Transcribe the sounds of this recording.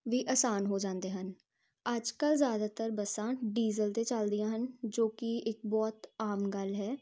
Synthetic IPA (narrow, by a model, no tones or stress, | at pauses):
ʋiːʔəsaːnɦoːd͡ʒãːnd̪eːɦən | əd͡ʒkəlzjaːd̪aːt̪əɾbəsãːɖiːzəlt̪et͡ʃəld̪ɪjãːɦənd͡ʒoːkɪɪk̚bɔːt̪aːmɡəlɦɛː